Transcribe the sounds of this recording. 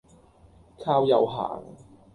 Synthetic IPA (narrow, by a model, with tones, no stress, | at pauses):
kʰaː˥wjɐ˨˧wɦa̰ː˨˩ŋ